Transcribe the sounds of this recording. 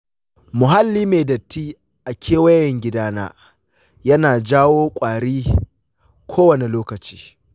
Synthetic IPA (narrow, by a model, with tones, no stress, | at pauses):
mʊ˨ɦa˦lːiː˦meː˨dɐ˨tːiː˦ | ʔa˨kʲʰeː˦wɐ˦jɐ˨ŋɡʲɪ˦daː˦na̰ː˦ | jɐ˦naː˨d͡ʒaː˦woː˦kʷʼaː˨ɽiː˦ | kʷʰoː˦wɐ˨ne˨loː˦kɐ˨t͡ʃi̥ː˦